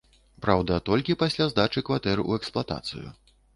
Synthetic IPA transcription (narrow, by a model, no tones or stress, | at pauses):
pɾawd̪ɐt̪ɔlʲkʲipasʲlʲazd̪at͡ʂɨkvat̪ɛɾɨṵɛksplˠat̪a̰t̪sɨ̰jṵ